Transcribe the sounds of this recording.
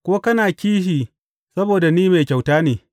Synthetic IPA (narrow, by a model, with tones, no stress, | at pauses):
kʷoː˦kɐ˦naː˨kʲiː˦ʃiː˨ | sɐ˦boː˨da˨niː˦ma˨kʲa˨wtaː˦neː˨